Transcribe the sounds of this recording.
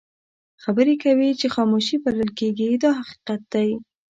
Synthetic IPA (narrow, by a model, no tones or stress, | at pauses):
xabəɾekawit͡ʃexɑmoʃipaləlkeɡid̪ɑɦaqi̥qat̪̚d̪̥aj